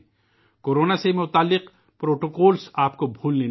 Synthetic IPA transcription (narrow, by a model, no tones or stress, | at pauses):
koːɾoːnasemʊt̪aːlːɪq | pɾoːʈoːkoːlsaːp̚kobʱuːlneː